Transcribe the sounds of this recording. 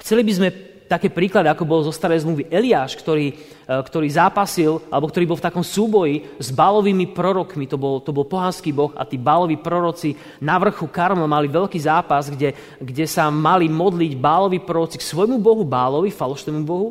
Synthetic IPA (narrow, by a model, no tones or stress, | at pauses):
xt͡sɛlibizmɛ | t̪akɛːpɾiːklad̪iakɔbɔlzɔst̪aɾɛjzmluʋiʔɛliaːʃkt̪ɔɾiː | kt̪ɔɾiːzaːpasilʔalɛbɔkt̪ɔɾiːbɔlˠft̪akɔmsuːbɔjizbaːlɔʋiːmipɾɔɾɔkmit̪ɔbɔlt̪ɔbɔlpɔɦanskiːbɔxa̰t̪iːbaːlɔʋipɾɔɾɔt͡si | naʋr̩xukaɾmlɔmaliʋɛʎkiːzaːpazɡɟɛ | ɡɟɛsamalimɔd̪liɟbaːlɔʋipɾɔɾɔt͡siksʋɔjmubɔɦubaːlɔʋikfalɔʃnɛːmubɔɦu